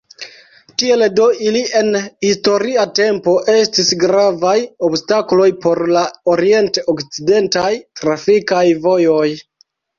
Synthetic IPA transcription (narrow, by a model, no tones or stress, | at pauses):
tie̞ldo̞ilie̞nhisto̞ɾiate̞mpo̞ʔe̞stisɡɾavajo̞bstaklo̞jpo̞ɾlao̞ɾie̞nte̞ʔokt͡side̞ntajtɾafikajvo̞jo̞j